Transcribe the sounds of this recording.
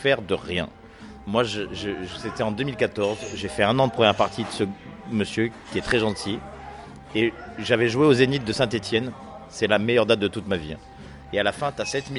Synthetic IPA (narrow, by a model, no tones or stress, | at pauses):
fɛʁd̪əʁjɛ̰̃ | mwaʒəʒəʒset̪ɛɑ̃d̪əmilkat̪ɔʁzʒefɛɛ̃nɑ̃d̪əpχəmjɛʁpaʁt̪ʰid̪əsəməsjøkʲiɛt̪χɛʒɑ̃t̪ʰi | eʒavɛʒuweozenit̪̚d̪əsɛ̃t̪et̪jɛn | sɛlamejœʁd̪at̪̚d̪ət̪ut̪mavḭ | ealafɛ̃t̪yasɛt̪mi